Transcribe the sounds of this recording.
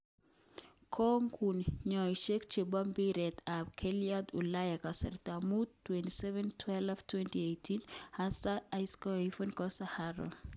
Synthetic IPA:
kʰɔŋkʰunɲɔjʃekt͡ʃebambiɾɛtabkʰɛliad̪ulajakasɛ̰ɾt̪amudtːwɛntisɛvɛntʰwɛlftʰwɛntiejtʰinhasaajskɔifɔnkɔsahaɾo̰

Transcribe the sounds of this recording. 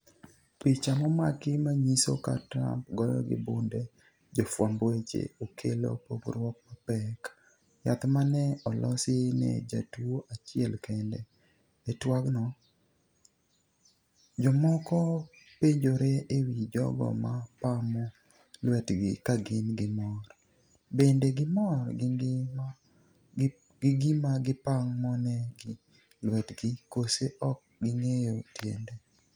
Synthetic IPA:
pit͡ʃamɔmakɪmaɲiso̰ka̰tɾa̰mpɡɔjɔ̰ɡɪ̰bʊnde | d͡ʒɔfwambwet͡ʃḛokʰelo̰pobɾwɔk̚mapɛk | jat̪manɛɔlʔɔsɪnɛ̰d͡ʒatwoʔat͡ʃɪɛlkɛndɛ | ɛtwaɡnɔ | d͡ʒɔmɔkɔ | peɲd͡ʒoɾeewid͡ʒɔ̰ɡɔ̰mapamɔ | lwɛtɡɪkaɡɪnɡɪmɔɾ | bendeɡɪmɔɾ | ɡɪɡimaɡɪpaŋmɔnɛɡɪ | lwɛtɡɪkoseʔɔk̚ɡɪŋejotjɛ̰ndɛ

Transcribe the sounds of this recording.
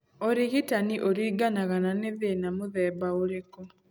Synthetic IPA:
oɾeɣitaniʔoɾiːɡanaɣananeðeːnamoðɛːbaoɾekɔ

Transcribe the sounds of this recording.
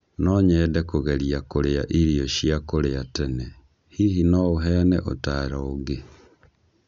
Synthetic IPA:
nɔɲɛːdɛkoɣɛɾiakoɾeaʔiɾiɔʃjakoɾeatɛnɛ | hihinɔoɦɛanɛ̰ʔo̰taːɾaoɡe

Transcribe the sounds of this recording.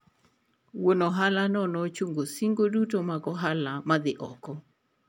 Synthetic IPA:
wonoɦalanɔnɔt͡ʃuŋɡosiŋɡodutomakɔɦalamad̪ɪʔɔkɔ

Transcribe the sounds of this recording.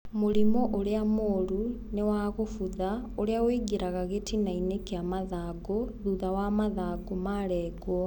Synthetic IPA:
moɾimɔʔoɾeamoɾu | newaɣofuðaoɾeaweɡeɾaɣaɣetʰinainekeamaðaːɡoðuðawamaðaːɡomaɾɛːɡwɔ

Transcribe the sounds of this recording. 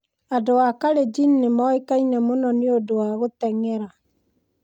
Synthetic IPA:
adowakaɾed͡ʒinnːemɔekainɛmonɔneodowaɣotɛŋɛɾa

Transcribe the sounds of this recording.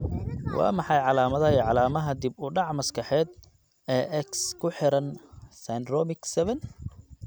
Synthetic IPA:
wʔɑ̰ːmɑħɑjʕɑlaːmɐðɐiːʕɑlaːmɐɦɐd̪ɪbʊɖɑʕmɐskʰɑħɛːd̪ | ɛːʔɛkskʰʊħɪɾɐnsanrɔmɪksɛβɛn

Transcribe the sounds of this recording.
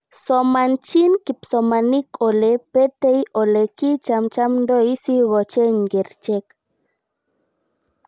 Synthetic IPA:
somant͡ʃinkipsomanikolepet̪ejolekit͡ʃamt͡ʃamnd̪oisiɣot͡ʃeŋɡeɾt͡ʃek

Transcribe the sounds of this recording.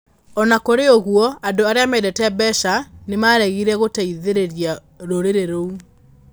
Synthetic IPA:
ɔnakoɾeoɣwɔadoaɾeamedɛtɛbɛʃanemaɾɛɣiɾɛɣotaiðeɾeɾia | ɾoɾeɾeɾou

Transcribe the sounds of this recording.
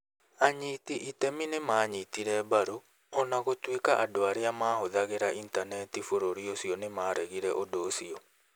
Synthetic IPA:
aɲitiʔitɛminemaːɲitiɾɛbaɾo | ɔnaɣotwikaʔadoaɾeamaːhoðaɣeɾaʔintanɛtifoɾoɾiosiɔnemaːɾɛɣiɾɛʔodoːsiɔ

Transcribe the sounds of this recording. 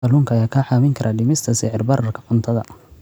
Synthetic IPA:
ɐlʊːŋkʰɐjaːkʰaħaːmɪŋkʰɐɾʔaːɖɪmɪst̪ʰɐsɪʕɪrbɐrɐrkʰɐ̥qʊnt̪ʰɐðɐ̰

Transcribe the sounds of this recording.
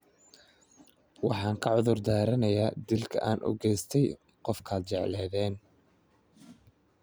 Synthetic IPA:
wɑħɑːŋkʰɐʕʊðʊrd̪aːɾɐnɐjaːd̪ɪlkʰɐ̰ʔaːnʔʊ̰ɡɛjst̪ʰɛj | qɔfkʰaːd̪̚t͡ʃɛʕlɛːðɛːn

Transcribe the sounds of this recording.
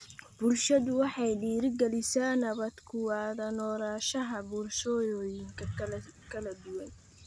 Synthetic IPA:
b̥ʊlʃɐðʊwɑħɑjɖiːɾɪɡɛlɪsaːnɐβɐd̪kʰʊwaːðɐnɔːɾaːʃɐɦɐbʊlʃɔːjɔːjɪŋkʰɐkʰɐlɐd̪ʊwɐn

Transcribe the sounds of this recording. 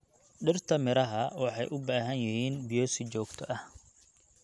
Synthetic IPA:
ɖɪrt̪ʰɐmɪɾɐɦɐwɑħɑjʔʊbaːɦɐnjɪɦiːnbɪjɔːsɪt͡ʃɔːɡt̪ʰɔʔɐh

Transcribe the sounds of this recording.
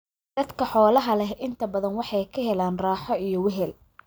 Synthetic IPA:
d̪̥ɐd̪kʰɐħɔːlɐɦɐlɛɦʔɪnt̪ʰɐbɐðɐnwɑħɑjkʰɐɦɛlaːnraːħɔijɞwɛɦɛl

